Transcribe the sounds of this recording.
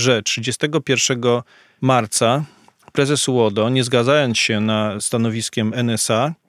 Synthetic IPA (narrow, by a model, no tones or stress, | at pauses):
ʐɛtʂɘd͡ʑɛst̪ɛɡɔpʲjɛɾfʂɛɡɔ | maɾt̪sa | pɾɛzɛswɔd̪ɔɲɛzɡad̪zajɔnt̪sɕɛnast̪anɔvʲiskʲɛmɛnɛsa